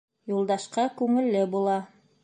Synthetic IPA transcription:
julˠd̪ɑʃqɑkʉŋɘ̆lːɘbulˠɑ

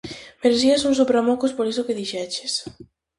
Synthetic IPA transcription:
meɾes̬iasuns̬upɾamɔkuspoɾisʊkeðiʃɛt͡ʃe̥s

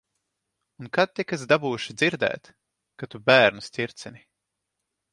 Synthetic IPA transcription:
unkad̪̚t̪ʲikezd̪abuːuʃid̪ziɾd̪ɛ̰ːt̪ | kat̪ubæːɾnusʲt̪ʲiɾt̪sini

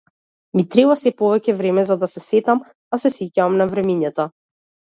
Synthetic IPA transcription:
mit̪ɾɛbasɛpɔvɛcɛvɾɛmɛzad̪asɛsɛt̪am | asɛsecaamnavɾɛmiɲat̪a

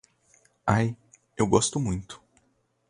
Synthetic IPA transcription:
aj | ewɡɔst̪ʊmũj̃t̪ʊ̥

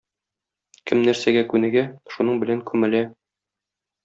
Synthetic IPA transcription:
kɘmnæɾsæɡækʉnɘɡæʃunɤɴbɘ̆læŋkʰʉmɘ̆læ

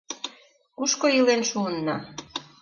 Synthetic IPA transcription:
kuʃkoilenʃuənːɑ

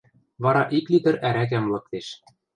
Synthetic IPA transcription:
βɑɾɑʔiklid̪ɘ̆ɾʔæɾækæmlɤ̆k̚t̪eʃ

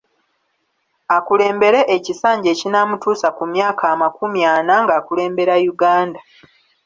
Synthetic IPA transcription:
akule̞ːmbe̞ɾe̞ʔecisaːɲɟe̞ːcinamutuːsakumjaːkʰaːmakumjaːnaŋɡaːkule̞ːmbe̞ɾajuɡaːnda

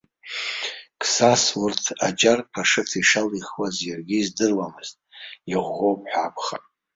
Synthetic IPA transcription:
kʰʼsaswurtʰad͡ʒarpʰaʂɨtʰiʂaliχwazjarɡʲiːzdɨrwamɨz̥tʼiʁʷːowpʰʼħʷᶣapʰʼχa̰

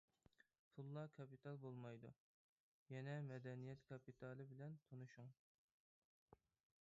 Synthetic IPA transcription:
t̪ʰulˠːɑkʰɑpit̪ʰɑlˠbolˠmɑjd̪ṵ | jɛnɛmɛd̪ɛnijɛt̪kʰɑpit̪ʰɑlˠɨbɪlɛnt̪ʰonuʃuŋ

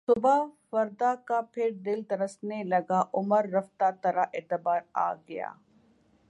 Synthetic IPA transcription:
sʊbafɐɾd̪akapʰɪɾd̪ɪlt̪ɐɾəsnelɐɡaʔʊməɾːɐft̪at̪ɐɾaʔeːt̪ɪbaːɾa̰ːɡɐja̰ː

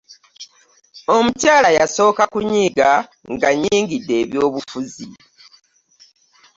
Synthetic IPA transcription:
o̞mutjaːlajaso̞ːkakuɲiːɡaŋɡaɲiːŋɡidːe̞ːβjo̞ːβufuzi

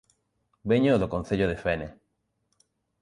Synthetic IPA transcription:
beɲoðokon̟θeʎoðefene

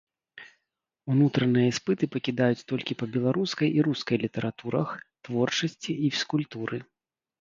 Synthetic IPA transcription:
unut̪ɾɐnɨjɐspɨt̪ɨpɐkʲid̪ajut͡sʲt̪ɔlʲkʲipɐbʲɛlˠaɾuskɐjiɾuskɐjlʲit̪ɐɾat̪uɾɐxt̪vɔrt͡ʂɐsʲt͡sʲiifskulʲt̪uɾɨ

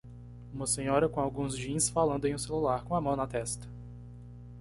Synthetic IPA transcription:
ũmɐsẽɲɔɾɐkõawɡũzd͡ʒĩɐsfalɐ̃nd̪ʊẽj̃ũselulaɾkõamɐ̃w̃nɐt̪ɛst̪ɐ̥

